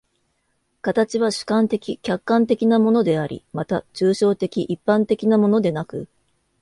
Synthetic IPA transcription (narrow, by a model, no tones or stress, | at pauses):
kat̪at͡ɕiβ̞aɕɨ̥kãnt̪e̞kʲikʲakːãnt̪e̞kʲinamo̞no̞d̪e̞aɾʲḭmat̪aʑɨːɕo̞ːt̪e̞kʲiʔipːãnt̪e̞kʲinamo̞no̞d̪e̞nakɯ̟